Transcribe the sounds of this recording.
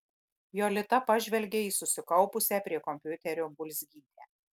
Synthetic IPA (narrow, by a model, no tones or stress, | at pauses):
joːlʲɪt̪ɐpɐʒʲʋʲɛlʲɡʲeiːsʊsʲɪkɐʊpʊsʲɛːpʲɾʲiɛkɔmʲpʲjʊt̪ʲɛɾʲoːbʊlʲsʲɡʲiːd̪ʲeː